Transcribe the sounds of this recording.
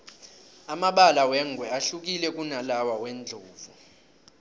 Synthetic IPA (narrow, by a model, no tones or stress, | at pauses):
amaɓalawɛŋɡʱwɛaɬuk̬ʼilɛkʼunalawawɛnd͡ɮʱoːvu